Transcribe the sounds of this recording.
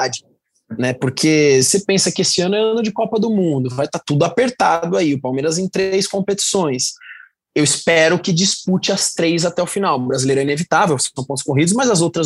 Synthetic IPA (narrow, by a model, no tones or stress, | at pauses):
ad͡ʒɪ | nɛpʊɾkʰesepẽsɐkɪesɪɐ̃nʊɛɐ̃nʊd͡ʒɪkɔpɐd̪ʊmũd̪ʊvajt̪at̪ud̪ʊapeɾt̪ad̪ʊaiʊpawmeɾɐzẽj̃t̪ɾejskõpet͡ʃi̥sõj̃s | ewɪspɛɾʊkɪd͡ʒisput͡ʃɪɐst̪ɾejzat̪ɛʊfinawʊbɾazilejɾʊɛinevit̪avewsɐ̃põt̪ʊ̥skoɦid̪ʊzmɐzɐzowt̪ɾɐ